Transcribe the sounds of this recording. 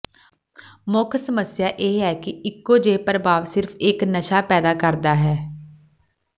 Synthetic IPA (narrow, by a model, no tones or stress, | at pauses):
mʊkʰsəməsjaːʔeːɦɛːkɪɪkːoːd͡ʒeːpəɾəbaːʋsɪɾpʰɪknəʃaːpɛːd̪aːkəɾd̪aːɦɛː